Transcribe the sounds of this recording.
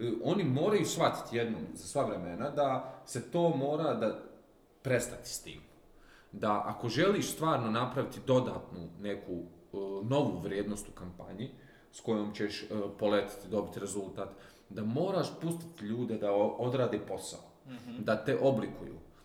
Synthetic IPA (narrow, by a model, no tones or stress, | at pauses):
o̞nimo̞ːɾajusxʋat̪i̥t̪jed̪no̰ːmzasʋaʋɾe̞menad̪ase̞t̪o̞ːmo̞ːɾad̪a | pɾe̞st̪at̪i̥st̪ḭːm | d̪aʔako̞ʒe̞liːʃst̪ʋaːɾno̞napɾaʋit̪id̪o̞d̪aːt̪nune̞kuno̞ʋuʋɾʲjeːd̪no̞st̪ukampa̰ɲi | sko̞joːmt͡ɕeʃpo̞let̪i̥t̪id̪o̞bit̪ɾe̞zulˠt̪aːt̪ | d̪amo̞ːɾaːʃpust̪i̥t̪ʎuːd̪e̞d̪aod̪ɾaːd̪epo̞sa̰od̪at̪e̞ʔo̞blikujṵː